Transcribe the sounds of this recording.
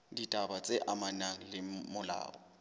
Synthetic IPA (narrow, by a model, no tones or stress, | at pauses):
ditʼabat͡sʼeʔamanaŋ̩lɪmʊla̰ːɔ